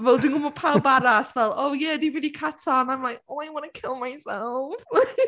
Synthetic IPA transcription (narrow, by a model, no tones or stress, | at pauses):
vɛlˠdɪ̃ŋɔməpʰaʊbaɾasvɛlˠoʊjædiviɾikʰatsanãɪ̃mlaɪkõniwɑnəkʰɪlˠmaɪsɛlˠf